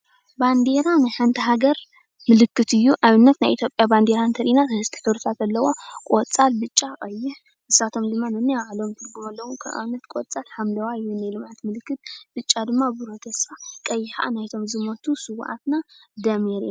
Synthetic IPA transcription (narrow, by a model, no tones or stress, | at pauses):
band̪e̞ɾanɨjħɨnt̪ʰɐɦaɡɐɾ | mɨlɨkːɨt̪ɨjːuʔaβɨnːɐt̪najʔit̪ʰʲjo̞pʼjaband̪e̞ɾant̪ʰɐɾʔinaɨhɨst̪ʰi̥ħɨβɾɨt̪ʰat̪ɐlːɐwo̞kʼot͡sʼalbɨt͡ʃʼːakʼɐjːɪħ | ʔɨsːat̪ʰo̞md̪ɨmːanɨnːijaʕlo̞mt̪ʰɨɾɡumɐlːɐwukʰɐʔa̰βɨnːɐt̪kʷʼot͡sʼalħamlɐwaɨjːunajlɨmʕat̪mɨlɨkːɨt̪̚b̥ɨt͡ʃʼːad̪ɨmːabɨɾot̪ʰɐsfakʼɐjːɪħaʔa̰najt̪ʰo̞mzɨmɐt̪ʰusɨwʔa̰t̪nad̪ɐmeɾḭna